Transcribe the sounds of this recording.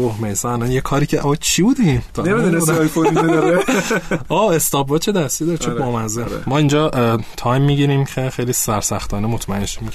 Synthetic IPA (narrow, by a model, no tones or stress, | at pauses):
ohmejsɒːælænjekʰɒːɾiːcʰeʔɒt͡ʃʰibuːd̪int̪ʰɒnemid̪uned̪ɒjkʰonndɾe | ɒːest̪ɒːbːɒːt͡ʃʰe̞d̪æst̪iːd̪ɒɾet͡ʃebɒːmænzḛmɒːind͡ʒɒːt̪ʰɒːjmːiɟiɾimcʰexejliːsæɾsæxt̪ʰɒːnemot̪ʰmæenʃimi